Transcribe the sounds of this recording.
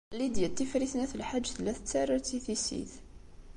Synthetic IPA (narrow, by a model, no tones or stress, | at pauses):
lid̪jæt̪ːifɾiθnæθəlħad͡ʒ̪ːθlæθət̪ːærˤɑt̪iθisḭθ